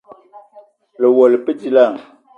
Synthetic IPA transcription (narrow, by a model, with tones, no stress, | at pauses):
lə˨wɔ˨lə˨pə˦di˦la˦˨ŋ